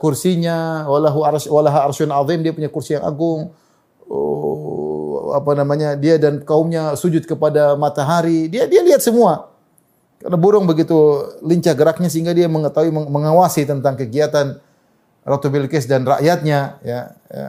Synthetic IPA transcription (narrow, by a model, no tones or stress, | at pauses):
kursiɲawalaɦuarswalaɦarsʊnʕɑðimdiapuɲakursijaŋa̰ɡʊŋ̰ | a̰panamaɲadiadankaʊmɲasud͡ʒʊt̪̚kəpadamat̪aɦaɾidiadialiɦat̪̚səmua | ka̰rnabuɾʊŋbəɡit̪uliɲt͡ʃahɡəɾak̚ɲas̬əiŋɡadiaməŋət̪aɦuiməməŋawasit̪ənt̪aŋkəɡiat̪an | rat̪ubɪlkɛs̬danra̰ʔjat̪̚ɲajaja̰